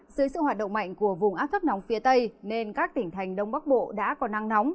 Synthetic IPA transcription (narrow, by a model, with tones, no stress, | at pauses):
zɨ˨˦jsɨ̰˧˨hɦaː˨˩t̚ɗə̰˧˨wŋ͡mma̰˧˨jŋ̟ku˧˩əvʊ˨˩ŋ͡mʔaː˦˥p̚t̪ʰə˦˥p̚nɔ˨˦wŋ͡mfi˨˦ət̪ə˧jne˧nkaː˦˥k̚t̪ï˧˩ŋ̟t̪ʰa˨˩jŋ̟ɗə˧wŋ͡mɓa˦˥k̚ɓo̰˧˨ɗa̰ː˧˥kɔ˨˦na˧ŋnɔ˨˦wŋ͡m